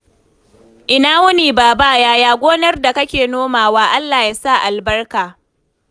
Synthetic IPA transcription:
ʔɪ˦˨naː˦wʊ˦niː˨baː˨ba˦jaː˦jaː˦ɡʷoː˦nɐ˦rda˨kɐ˦kʲeː˨noː˦maː˨waː˦ʔa˦lːaː˨ja˦sa˦˨ʔa˨lbɐ˦rkaː˨

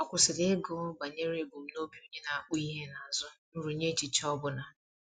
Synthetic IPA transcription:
ɔ˦kʷʊ˨sɪ˨de˦ɡo˦ba˨ɲe˦ɾe˦˨bu˨m̩˦no˦bi˦u˦ɲe˦na˨a˨k͡pʊ˦i˦ɦe˦na˨a˨zʊ˦n̩˦ɾu˨ɲe˦t͡ʃi˨t͡ʃɔ˦bʊ˦na˨

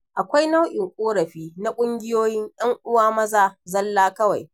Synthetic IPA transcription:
ʔa˨kʷa˦jna˦wʔɪ˨ŋkʷʼoː˦ɾɐ˨ɸiː˦na˦kʷʼʊ˦ŋɡʲɪ˦joː˦jɪ˦ɲj̰ɐ˦ŋʔʊ˦waː˦mɐ˦zaː˨zɐ˦lːaː˦kɐ˦wa˨j

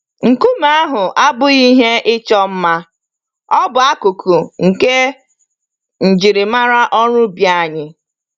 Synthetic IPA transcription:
ŋ̩˨ku˦ma˦ɦʊ˨ʔa˦bʊ˦i˦ɦe˦ʔɪ˦t͡ʃɔ˦m̩˦ma˦ | ɔ˦bʊ˨a˦ku˨kʰu˨ŋ̩˨ke˦ | n̩˨d͡ʒi˨ɾɪ˨ma˦ɾa˦ʔɔ˦ɾʊ˦bja˦˨ɲɪ˨

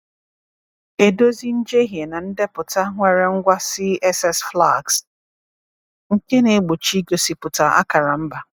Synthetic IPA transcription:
e˨do˦zi˦n̩˦d͡ʒe˦ɦje˨na˨n̩˦de˦pʊ˨ta˦ŋʷe˨ɾe˦ŋ̩˦ɡʷa˦si˦ɛ˦sɛ˦sfla˦˨ɡs | ŋ̩˦ke˦ne˨˦ɡ͡bo˨t͡ʃi˦ɡo˨si˨pʊ˨ta˨ʔa̰˦ka˨ɾa˨m̩˦ba˨

